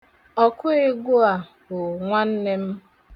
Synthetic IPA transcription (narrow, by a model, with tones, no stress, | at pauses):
ɔ˨kʊ˦ɪ˦ɡʊ˦a˨ | ɡʊ˨ŋʷa˦n̩˦ne˦m̩˦